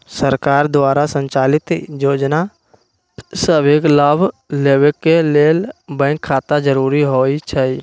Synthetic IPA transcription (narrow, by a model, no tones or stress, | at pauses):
səɾkaːɾd̪waːɾasə̃ɲt͡ʃaːlɪt̪joːd͡ʒna | səbeːklaːbʱleːwekeleːlbə̃ŋkʰːaːt̪ad͡ʒəɾuːɾiɦoːit͡ʃʰai